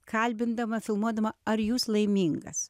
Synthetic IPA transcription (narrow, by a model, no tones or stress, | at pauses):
kɐlʲbʲɪnd̪ɐmɐfʲɪlˠmuɔd̪ɐmɐɐɾjuːslˠɐɪmʲiːŋɡɐ̰s